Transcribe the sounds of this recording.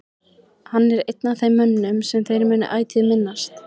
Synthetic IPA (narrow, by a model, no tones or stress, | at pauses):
hanːɛɾejt̪̚naθejmːœnnʏmsɛmθejɾmɛnːɪ̰ʔaːjt̪ʰɪðmɪnːast̪